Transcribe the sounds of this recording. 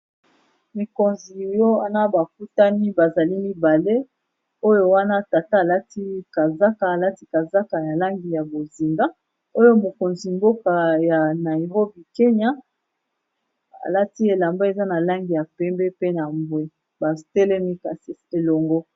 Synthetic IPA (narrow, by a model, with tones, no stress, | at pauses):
mi˨ko˨nzi˨jo˦a˨na˦ba˨k̚u˦ta˦ni˦ba˨za˨li˦mi˦ba˨le˦ | o˦jo˦wa˦na˦ta˨ta˦a˨la˦ti˦ka˨za˦kaː˨la˦ti˦ka˨za˦ka˨ja˨la˦ŋɡi˨ja˨bo˨zi˨ŋɡa˦ | o˦jo˦mo˨ko˨nzi˨mbo˦ka˨ja˨na˨i˨ʁo˦bi˨ke˦ɲa˦ | a̰˨la˦ti˦e˨la˨mba˦e˨za˦na˨la˦ŋɡi˨ja˨pɛ˦mbɛ˦pe˦na˨mbwe˦ | ba˨tɛ˦lɛ˦mi˦ka˨si˦e˨lo˨ŋɡɔ˦